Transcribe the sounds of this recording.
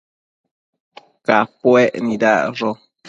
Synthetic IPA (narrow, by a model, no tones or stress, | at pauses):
kapwɛʔnidaʔʐo